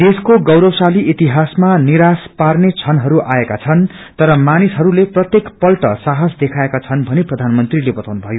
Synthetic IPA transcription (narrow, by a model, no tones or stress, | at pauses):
d̪eskoɡʌwɾʌwsaliʔit̪iɦasmaniɾasparnet͡sʰʌnɦʌɾuʔaekat͡sʰʌn | t̪ʌɾʌmanisɦʌɾuleprʌt̪jekpʌlʈʌsaɦʌsd̪ekʰaekat͡sʰʌnbʱʌneprʌd̪ʱanmʌnt̪rilebʌt̪awnubʱʌjo